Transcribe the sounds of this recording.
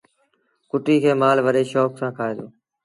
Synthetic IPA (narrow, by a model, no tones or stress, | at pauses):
kʊʈiːkʰeːmaːlʋəɗeːʃoːksãːkʰaːeːd̪oː